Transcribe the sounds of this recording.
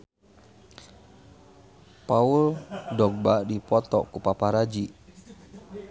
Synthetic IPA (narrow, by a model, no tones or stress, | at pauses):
pauldɔɡ̚badipɔt̪ɔ̰kupapaɾad͡ʒi